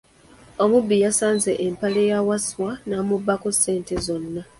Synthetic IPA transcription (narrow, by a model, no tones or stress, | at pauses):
omubːijasaːnze̞ʔempalejawaswanamubːakose̞ːnte̞zo̞nːa